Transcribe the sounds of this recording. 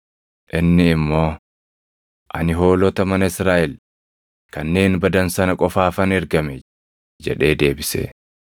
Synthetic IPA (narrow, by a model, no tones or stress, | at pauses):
ʔɪnːɪːmːo̞ː | ʔɐ̰nɪɦo̞ːlɔt̪ɐmɐnɐɪsɾaːʔɛl | kɐnːe̞ːnbɐd̪ɐnsɐnɐkʼɔfaːfɐnɪɾɡɐmɛ | d͡ʒɛ̰ᶑe̞ːd̪e̞ːbɪsḛː